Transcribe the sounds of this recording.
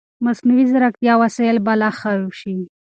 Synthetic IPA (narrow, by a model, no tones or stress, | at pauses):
masniwizaɾak̚t̪jɑwasaɪlbalaxauʃi